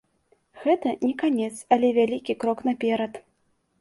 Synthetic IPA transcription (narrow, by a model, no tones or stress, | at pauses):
ɣɛt̪ɐnʲɛkanʲɛt̪sɐlʲɛvʲalʲikʲikɾɔknapʲɛɾɐt̪